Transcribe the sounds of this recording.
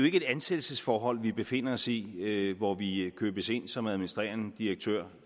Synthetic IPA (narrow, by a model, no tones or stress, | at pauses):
oe̝ɡ̥əe̝d̥ænsed̥l̩səsfɒːɦɒ̽l̰ʋib̥e̝fe̝n̰ɐɒ̽siʋɒʋikʰøːb̥əse̝n̰sɒ̽mæðˠminisd̥ʁḛːɐnəd̥iʁɐɡ̥̚t͡sʰø̰ɐ̰